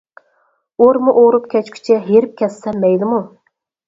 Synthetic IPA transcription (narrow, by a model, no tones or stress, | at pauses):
oɾmuʔoɾupkʲʰɛt͡ʃkʲʰy̥t͡ʃʰɛɦeɾɪp̚kʲʰɛsːɛmːɛjlɨmu